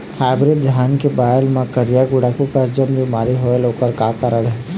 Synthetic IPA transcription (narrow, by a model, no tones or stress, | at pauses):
haːɪbɾɪʈ̪̚d̪ʱjaːnkebaːjəlmãkəɾijaɡʊɽakukəɾd͡ʒəmbʱimaːɾiɦoeloːkəɾkaːkəɾəɽɦɛ